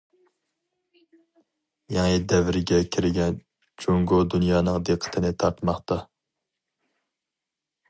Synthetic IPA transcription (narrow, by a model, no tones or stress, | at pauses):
jɑŋid̪ɛvɪɾɪɡʲɛkʲʰiɾɪɡʲɛn | t͡ʃʰoŋɡod̪unjɑːnɨŋd̪eqʰːə̥t̪ʰɨnɪt̪ʰɑɾt̪mɑχt̪ɑ